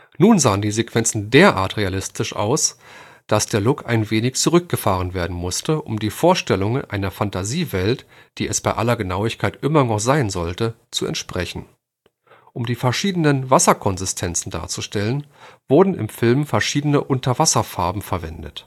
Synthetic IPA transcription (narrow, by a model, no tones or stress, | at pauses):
nuːnzaːəndiːzekv̥ɛnt͡sn̩deːɐʔa̰ːɐtʁealɪstʰɪʃʔa̰ʊs | d̥asd̥eːɐlʊka̰ɪnveːnɪçt͡suʁʏk̚ɡ̥əfaːʁ̞ənveːɐdn̩mʊstəʔʊ̰mdiːfoːɐʃtɛlʊŋənʔa̰ɪnɐfantʰaziːvɛltd̥iːɛsb̥aɪʔalɐɡənaʊɪçkʰaɪtʔɪmɐnɔχz̥aɪnzɔltə | t͡suɛ̰ntʃpʁ̥ɛçn̩ | ʔʊmdiːfɛɐʃiːdənənvasɐkʰɔnzɪstʰɛnt͡sn̩da̰ːɐt͡suʃtɛlənv̥ʊɐdn̩ɪ̰mfɪlmfɛɐʃiːdənəʔʊntʰɐvasɐfaɐbm̩fɛɐvɛndə̰t